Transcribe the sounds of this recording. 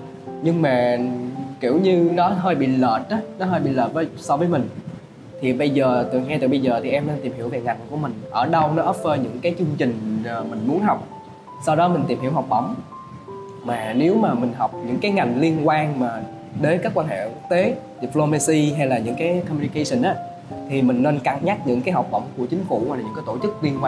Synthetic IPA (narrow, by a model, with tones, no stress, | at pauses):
ɲɨ˧ŋmaː˨˩kḭ˧˩əwɲɨ˧nɔ˨˦ɦəː˧jɓḭ˧˨ləː˨˩t̚ɗɔ˨˦nɔ˨˦ɦəː˧jɓḭ˧˨ləː˨˩t̚vəː˨˦jsɔ˧vəː˨˦jmï˨˩ŋ̟ | t̪ʰi˨˩ɓə˧jzəː˨˩t̪ɨ˨˩˨ŋɛ˧t̪ɨ˨˩ɓə˧jzəː˨˩t̪ʰi˨˩ʔɛ˧mne˧nt̪i˨˩mhi˧˩əwve˨˩ŋa˨˩jŋ̟ku˧˩əmï˨˩ŋ̟ʔəː˧˩ɗə˧wnɔ˨˦ʔəː˦˥p̚vəː˨˦jɲɨ̰˧˥ŋkaː˨˦jt͡ɕɨ˧əŋ͡mt͡ɕï˨˩ŋ̟ː˨˩mï˨˩ŋ̟mu˨˦ənɦɔ˨˩wk͡p̚ | sa˧wɗɔ˨˦mï˨˩ŋ̟t̪i˨˩mhi˧˩əwɦa˨˩wk͡p̚ɗə̰˧˩wŋ͡m | maː˨˩ne˨˦wmaː˨˩mï˨˩ŋ̟ɦɔ˨˩wk͡p̚ɲɨ̰˧˥ŋkaː˨˦jŋa˨˩jŋ̟li˧ənkwaː˧nmaː˨˩ | ɗə˨˦jkaː˦˥kwaː˧nhḛ˧˨ku˦˥k̚t̪e˨˦ɗi˨˩plo˧ma˧si˧ɦa˧jlaː˨˩ɲɨ̰˧˥ŋkaː˨˦jkɔ˧mi˧i˧kə˧jsi˧nʔaː˨˦ | t̪ʰi˨˩mï˨˩ŋ̟ne˧nka˧˩ŋɲa˦˥t̚ɲɨ̰˧˥ŋkaː˨˦jɦa˨˩wk͡p̚ɗə̰˧˩wŋ͡mku˧˩ət͡ɕï˨˦ŋ̟kṵ˧˨ha˧˩la˨˩ɨ̰˧˥kaː˨˦jt̪o˧˩t͡ɕɨ˦˥k̚li˧ənkwaː˧